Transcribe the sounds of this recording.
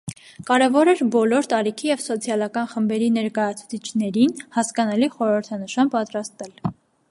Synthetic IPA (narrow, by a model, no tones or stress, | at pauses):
kɑɾɛvɔɾɛɾbɔlɔɾt̪ɑɾikʰijɛvsɔt͡sʰjɑlɑkɑnχəmbɛɾinɛɾkɑjɑt͡sʰu̥t͡sʰit͡ʃʰnɛɾinhɑskɑnɑliχɔɾəɾt̪ʰɑnəʃɑnpɑt̪ɾɑst̪ɛl